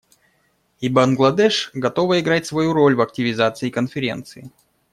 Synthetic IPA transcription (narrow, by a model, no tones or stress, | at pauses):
ibɐnɡlˠɐd̪ɛʂɡɐt̪o̞vəɪɡɾatʲsvɐjuɾolʲvɐk̚tʲɪvʲɪzat̪sɨɪːkənfʲɪɾʲe̞̰nt̪sɨɪ